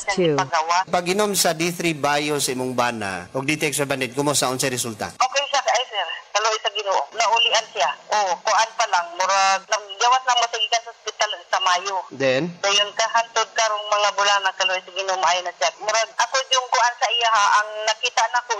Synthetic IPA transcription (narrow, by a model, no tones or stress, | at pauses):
aŋɪpaɡawapɐɡɪnomsɐd̪iθɾibaːjosɐʔimoŋbaːna̰ʔoɡ̚d̪it̪ɛksɐband̪ɛd̪̚kʊmosaʔonsaɾɪsult̪a̰ʔokɛjsakajsɛɾkaloʔjsɐɡɪnoʔonaʔʊlɪʔansiaʔokʊʔanpalaŋmʊɾaɡ̚nɐɡ̚ɡawaslaŋmot̪ɪɡɪkansasʊspɪt̪alsamaːjod̪ɛnd̪ajʊnkahant̪od̪̚kaɾoŋmɐŋabʊlanakɐloʔojsɐɡɪnoʔomaʔajʊnasak̚mʊɾaɡ̚akod͡ʒʊŋkʊʔansaʔijaɦaʔaŋnakiːt̪aʔnako